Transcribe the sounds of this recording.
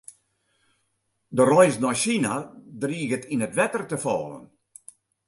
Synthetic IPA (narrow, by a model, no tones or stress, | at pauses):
dərɔjsnɔjʃinadriːɣətʰinətʋɛtərtəfɔ̰ːlə̰n